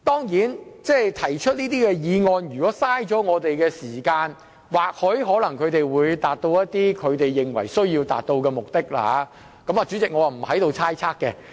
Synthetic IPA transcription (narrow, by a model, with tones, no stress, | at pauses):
t̪ɔː˥ŋjiː˨˥nt͡sɛː˥˩jt̪ʰɐ˨˩jt͡ʃʰɵ˥t̚niː˥t̪iː˥kɛː˧jiː˨˧ŋɔː˧njyː˨kɔː˨˥saː˥jt͡ʃɔː˨˥ŋɔː˨˧t̪e˨jkɛː˧siː˨˩kaː˧n | waː˨k̚hɵ˨˥jɦɔː˨˥lɐ˨˩ŋkʰɵ˨˧ɥt̪e˨jwuː˨˧jt̪aː˨t̚t̪o˧wjɐ˥t̚t̪iː˥kʰɵ˨˧ɥt̪e˨jːɪ˨ŋwɐ˨˩jsɵ˥ɥjiː˧wt̪a̰ː˨t̚t̪o˧wkɛː˧mʊ˨k̚t̪ɪ˥k̚la̰ː˧ | kɐ˨˥maː˨t͡ʃy˨˥t͡sɪ˨kŋɔː˨˧a˨˩m̩˨˩hɐ˨˥jt̪o˨˧wt͡sʰaː˥jt͡sʰaː˥kːɛ˧